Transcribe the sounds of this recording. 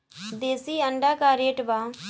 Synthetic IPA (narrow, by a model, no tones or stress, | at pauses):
d̪eːsiːəɳɖaːkaːɾeːʈbaː